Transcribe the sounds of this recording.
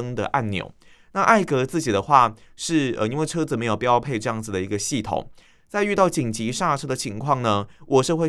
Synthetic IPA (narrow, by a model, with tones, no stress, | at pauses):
ə˥ŋd̪ə̰˨ʔa˥˩nnjo̰˨˩˦ʊ | na˥˧ʔa˥˩ɪkɤ˧˥t͡sɹ̩˥˩t͡ɕi˨˩d̪ə˦xwa˥˧ʂɻ̩˥˩ə̰˧i˥nŋwe˥˩ɪʈ͡ʂʰɤ˦˥t͡s̩˨˩me˧˥jo˨˩ʊpu˨˩jʊpʰe˥˧ɪʈ͡ʂɤ˥˧jɑ˥˩ŋd͡zɹ̩˨˩d̪ə˩i˧˥ɡə˧ɕi˥˩t̪ʰo̰˨˩˦ŋ | t͡sa˥˧ɪy˥˧t̪ɑ˥˩ʊt͡ɕi˨˩ŋt͡ɕi˧˥ʂa˥˩ʈ͡ʂʰɤ˥d̪ə˨t͡ɕʰi˧˥ŋkʰwɑ˥˩ŋnə˩wɔ˨˩ʂɤ˥˧xwe˥˧